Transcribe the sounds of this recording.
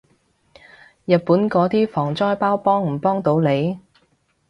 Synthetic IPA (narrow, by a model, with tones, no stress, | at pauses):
jɐ˨t̚puː˨˥nkɔː˨˥t̪iː˥fɔː˨˩ŋt͡sɔː˥jpaː˥wpɔː˥ŋm̩˨˩pɔː˥ŋt̪o˨˥wle˨˧j